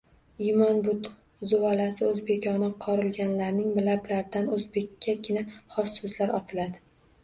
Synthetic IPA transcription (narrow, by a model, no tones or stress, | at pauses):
imɒnbʊt̪ | zʊalasɪɵzbekʲʰɒnɪqʰɒɾɪlɡʲanlaɾnɪŋmɪlablaɾd̪anɵzbe̞kʲːakʲʰɪnaχɒsːɵzlaɾɒt̪ʰɪlad̪ɪ